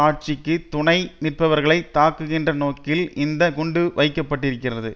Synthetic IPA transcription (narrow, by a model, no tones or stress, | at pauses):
aːʈ̚t͡ʃɪkːɯt̪ʊɳɐɪmɪrpɐʋɐɾɣɐɭɐɪt̪ːaːkːɯɣɪndrɐnoːkɪlɪnd̪ɐɡʊɳɖɯʋɐɪkːɐpːɐʈːɪɾɯkːɪrɐðɯ